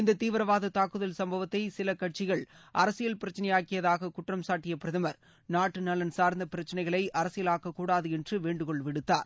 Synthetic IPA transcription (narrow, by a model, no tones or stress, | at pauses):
ɪnd̪ɐt̪iːʋɐɾɐʋaːðɐt̪aːkːɯðɐlsɐmbɐʋɐt̪ːɐɪsɪlɐkɐʈ̚t͡ʃɪɣɐɭʔɐɾɐsɪjɐlpɪɾɐt͡ʃːɐnɐjaːkɪjɐðaːɣɐkʊʈrɐmsaːʈːɪjɐpɪɾɐðɐmɐɾ | naːʈːɯnɐlɐnsaːɾnd̪ɐpɪɾɐt͡ʃːɐnɐɪɣɐɭɐɪʔɐɾɐsɪjɐlaːkɐkːuːɽaːðɯɛndrɯʋeːɳɖɯkɔɭʋɪɽɯt̪ːa̰ːɾ